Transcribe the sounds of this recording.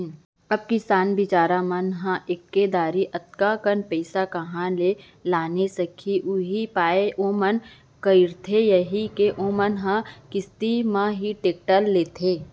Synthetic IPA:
ɐb̚kɪsaːnbɪt͡ʃaːɾamɐnɦãʔɪkːed̪aːɾiʔɐt̪̚kakənpɛɪsakɐɦãle | laːnesɐkʰiʔʊɦipaːeʔoːmɐn | kəɪɾt̪ʰejɐɦikeʔomənɦãkɪst̪imãɦiʈeːk̚ʈəlːeːt̪ʰeː

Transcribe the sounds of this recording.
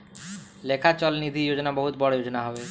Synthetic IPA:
lekʰat͡ɕɔlnid̪ʱijod͡ʑonabɔɦut̪bɔɽojod͡ʑonaɦɔbe

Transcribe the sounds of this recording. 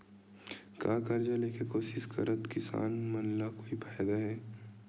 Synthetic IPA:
kaːkɐɾd͡ʒaleːkekoːʃɪʃkɐɾət̪kɪsa̰ːnmɐnlakoːipʰaːjd̪aɦɛː

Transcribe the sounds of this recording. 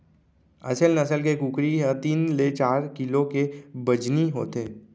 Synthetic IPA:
ɐ̰səlnɐsəlkekuːkɾiɦɛ̃t̪iːnlet͡ʃaːɾkɪlõkebəd͡ʒniɦo̰ːt̪eː

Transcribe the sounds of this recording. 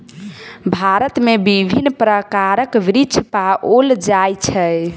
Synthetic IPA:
bʱaɾət̪mebibʱinːpɾəkaɾəkʋɾit͡ʃʰpaʔold͡ʒajt͡ʃʰɛ

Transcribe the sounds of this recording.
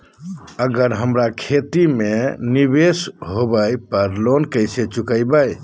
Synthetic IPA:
əɡəɾɦəmɾakʰet̪imenibesɦobəjpəɾlonkəjset͡ʃukəjbaj

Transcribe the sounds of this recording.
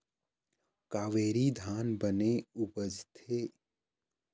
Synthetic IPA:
kaːʋeːɾid̪ʱaːnbəneʊbəd͡ʒt̪ʰeː

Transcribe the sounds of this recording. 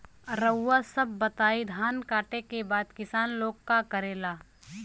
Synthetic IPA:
ɾəwːasɐbːɐt̪aːid̪ʱaːnkaːʈekebaːd̪kɪsaːnloːɡkakəɾeːlaː

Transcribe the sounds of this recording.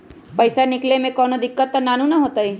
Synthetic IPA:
pɐɪsanɪklemẽkɔːnod̪ɪkːət̪ːanaːnũnaɦoːt̪ai

